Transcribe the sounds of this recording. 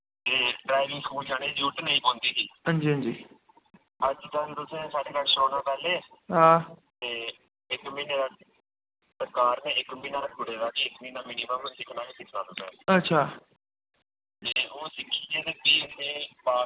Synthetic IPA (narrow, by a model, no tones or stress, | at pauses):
t̪eːɖɾaːɪʋɪ̃ŋɡskuːld͡ʒaːñẽːd͡ʒuːʈnəĩːkõːnd̪iːsiːɦə̃nd͡ʒiːɦə̃nd͡ʒiː | əd͡ʒit̪aːt̪ʊsẽːsaːɖeːkəɾʃoːnãːpɛːleːɦãːt̪eː | ɪkmiːneːɾa | pɾəkaːɾnẽːɪkmĩːnãːɡʊɽeːd̪aːkeːɪkmiːnaːmiːniːmə̃ːmẽːsɪkʰnaːkesɪkʰnãːt̪əsɛ̰̃ːətːʃʰaː | t̪eːoːsɪkʰːiːd͡ʒeːt̪eːbiːnẽːpaː